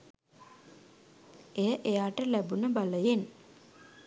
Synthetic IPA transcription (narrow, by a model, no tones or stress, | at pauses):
ejəʔejaːʈəlæbunəbaləjen